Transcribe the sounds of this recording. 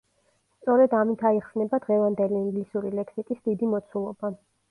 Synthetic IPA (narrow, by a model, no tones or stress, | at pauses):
st̪sʼɔɾɛd̪amit̪ʰaiχsnɛbad̪ʁɛvand̪ɛliːŋɡlisuɾilɛksikʼisd̪id̪imɔt̪sʰulˠɔba